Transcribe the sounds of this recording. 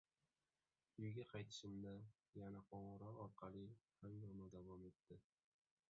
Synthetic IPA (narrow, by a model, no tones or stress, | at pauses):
ʊjɡʲaqʰɑjt̪ʰɪ̥ʃɪmd̪a | janaqʰɒɴʁɨɾɒɾɒɾqʰɑlˠihaŋj̪ɒmad̪avɒme̞t̪ːɪ